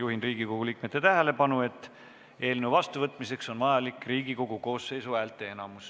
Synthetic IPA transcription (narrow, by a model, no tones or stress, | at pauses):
juɦinriːɡ̥iko̞ɡ̥uliːk̚met̪ːe̞t̪æɦele̞pɑnue̞t̪ːˑ | e̞ːlnuvɑst̪uvɤt̪ːˑmise̞kso̞nmɑjɑlikˑriːɡ̥iko̞ɡ̥uko̞ːsːe̞jsuæːlt̪ːˑe̞enɑmus